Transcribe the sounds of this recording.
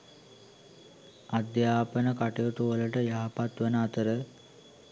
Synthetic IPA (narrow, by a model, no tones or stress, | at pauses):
ad̪jaːpənəkaʈejoʈuʋələʈəjaɦapat̪ʋənəat̪əɾə